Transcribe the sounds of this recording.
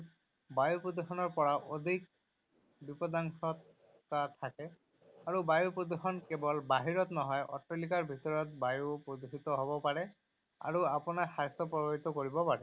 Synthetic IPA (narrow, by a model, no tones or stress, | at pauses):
bajupɹod̪uxɔnɔɹpɔɹaʔod̪ʱik̚ | bipɔd̪aŋsɔt̪ | kat̪ʰakɛ | aɹubajupɹod̪uxɔnkɛbɔlbaɦiɹɔt̪nɔɦɔjʔɔ̰tɹelikaɹbʱit̪ɔɹɔt̪̚bajupɹod̪usit̪ɔɦobɔpaɹɛ | a̰ɹuapɔnaxast̪ɔpɔboɦit̪ɔkoɹibɔpaɹɛ